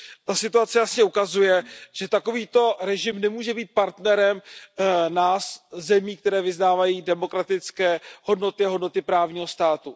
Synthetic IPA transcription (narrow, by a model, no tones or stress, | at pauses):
t̪asɪt̪uat͡sɛjasɲɛukazujɛʒ̥ɛt̪ako̞viːt̪o̞ɾɛʒɪmnɛmuːʒɛbiːt̪̚paɾt̪nɛɾɛm | naːszɛmiːk̚t̪ɛɾɛːvɪznaːvajiːdɛmo̞kɾat̪ɪt͡skɛːho̞dno̞t̪ɪaɦodno̞t̪ɪpɾaːvɲiːɦo̞st̪aːt̪u